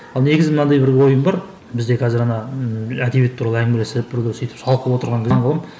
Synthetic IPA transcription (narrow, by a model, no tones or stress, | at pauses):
ɑlˠne̞ɡʲɪzɪmənɑnd̪ɑjbɪɾwo̞jəmbɑɾ | bɪzd̪e̞kʰʲæzɪɾɑnɑæd̪ebet̪ʰːuɾɑlˠəæŋmelespbɪɾɡ̪ʲesijt̪ɪ̥psɑlˠqəlˠəpwot̪əɾʁɑŋkʰʲɪɴqʰɑlˠəm